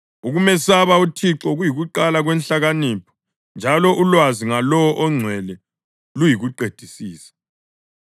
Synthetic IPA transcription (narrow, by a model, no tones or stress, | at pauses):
uɣumɛsaβautʰiǁɔɣujiɣuǃalaɣwɛnɬaɣaniːpʰɔ̥ | nd͡ʒʱalɔʔulwaziŋalɔwɔʔɔŋ͡ǀʱwɛlɛ | lujiɣuǃed̥ʱisiːsḁ